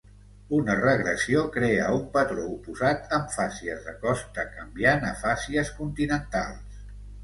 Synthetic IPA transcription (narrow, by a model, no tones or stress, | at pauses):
unərəɣɾəsiokɾeəumpət̪ɾoupuzat̪ʰəɱfasiəzðəkɔst̪əkəmbjanə̰fasiəskunt̪inənt̪alˠs